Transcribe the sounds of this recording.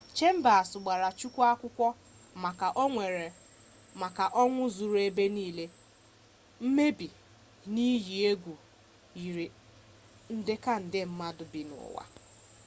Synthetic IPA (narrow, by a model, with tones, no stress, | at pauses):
t͡ʃe˦m̩˦ba˨a˨sʊ˨ɡ͡ba˨ɾa˨t͡ʃu˦kʷa˦kʷʊ˦kʷɔ˦ | ma˨ka˨ʔo˦ŋʷe˨ɾe˨ | ma˨ka˨ʔɔ˦ŋʷʊ˦zu˨ɾe˦be˦niː˦le˦ | m̩˦me˦bi˨ | ni˦ji˨e˦ɡʷu˨ | i˨ɾi˨ | n̩˦dɪ˦ka˦n̩˨dɪ˦m̩˦ma˦dʊ˨bi˨nʊ̰˨wa̰˨